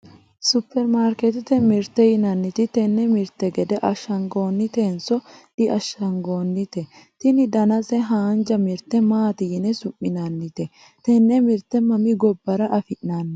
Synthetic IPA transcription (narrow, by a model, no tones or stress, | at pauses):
sʊpːɛɾmaːɾkɛt̪ɪt̪ɛmɪɾt̪ːɛjɪnɐnːɪt̪ɪt̪ɛnːɛmɪɾt̪ːɛɡɛd̪ɛʔɐʃːɐŋɡo̞ːnːɪt̪eːnsɔᶑɪʔɐʃɐŋɡo̞ːnːɪt̪ɛt̪ɪnɪd̪ɐnɐsɛɦaːnd͡ʒɐmɪɾt̪ːɛmaːt̪ɪjɪnɛsʊʔːɪnɐnːɪt̪ɛ | t̪ɛnːɛmɪɾt̪ːɛmɐmɪɡɔbːɐɾɐʔɐfɪʔnanːɐ